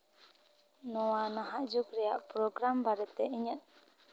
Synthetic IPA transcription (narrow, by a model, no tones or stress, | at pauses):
nɔwanaɦaʔd͡ʒukɾɛjaʔpɾɔɡɾambaɾɛt̪ɛʔiɲət̪̚